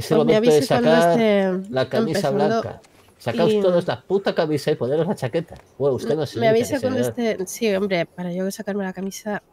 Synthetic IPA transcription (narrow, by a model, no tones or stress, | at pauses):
eseβomeaβeðesaank̪aoeselakaemipesaβlad̪oka̰ | sakawsoðozlaput̪akaβisaiponeɾozlat͡ʃaket̪aweustenosmeaβisakwand̪et̪esio̞mbɾepaɾaʝosakaɾmelakamisa